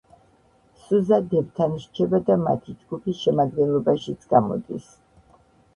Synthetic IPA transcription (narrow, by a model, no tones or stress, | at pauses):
suzad̪ɛbt̪ʰanʃt͡ʃʰɛbad̪ama̰t̪ʰid͡ʒɡupʰisʃɛmad̪ɡɛnlˠɔbaʃit̪sʰɡ̥amɔ̰d̪is